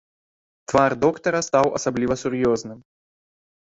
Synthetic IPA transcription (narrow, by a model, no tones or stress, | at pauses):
t̪vard̪ɔkt̪ɐɾɐst̪awɐ̰sablʲivɐsʲʊɾjɔznɨm